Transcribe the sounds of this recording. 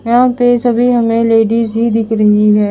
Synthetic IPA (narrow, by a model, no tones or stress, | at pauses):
jãːpeːsəbʱiɦɐmẽleːɖiːzɦid̪ɪkɾẽːɡiɦɛː